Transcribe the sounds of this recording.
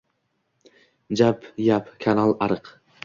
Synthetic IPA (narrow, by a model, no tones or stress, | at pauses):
d͡ʒapjapkʰanalˠaɾɨq